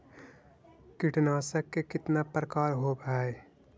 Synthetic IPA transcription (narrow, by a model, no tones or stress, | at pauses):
kɪʈnaːsəkːekɪt̪napɾəkaːɾɦobʱaːe